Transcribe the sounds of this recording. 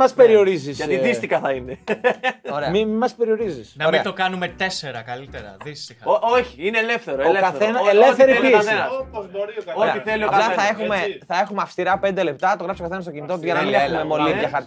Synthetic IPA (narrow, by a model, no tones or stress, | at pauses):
mɐspe̞ɾio̞ɾizisɐiðist̪ixɐθɐine | oɾemimimɐspe̞ɾio̞ɾizisnɐomiɐt̪okɐnume̞t̪e̞se̞ɾɐkɐlit̪eɾɐ̰ðist̪ixɐoʔoçiineːlefθe̞ɾoeolekɐθenelefθeɾipiseɐ | oeɐiθelioɐplɐθɐexumeθɐe̞xumeɐfst̪iɾɐpe̞nd̪e̞le̞p̚t̪ɐt̪oɣɾɐfsokɐθenɐst̪ocinit̪ot̪ʝɐnɐmneumemoliðʝɐxɐɾ